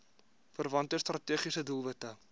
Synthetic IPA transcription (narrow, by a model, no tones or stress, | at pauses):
fərvɐntəstrɐtiəχisədulˠvətə